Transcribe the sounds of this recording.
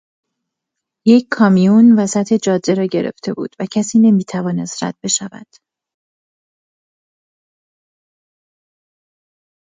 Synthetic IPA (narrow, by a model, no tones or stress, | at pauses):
je̞ckʰːɒːmijunvæsæt̪ʰe̞d͡ʒɒːd̪ːe̞ɾɒːɟe̞ɾe̞̰ft̪ʰe̞̰bṵːd̪̥væcʰæsiːne̞miːt̪ʰævɒːne̞st̪ɾæ̰d̪̥̚be̞ʃævæ̰d̪̥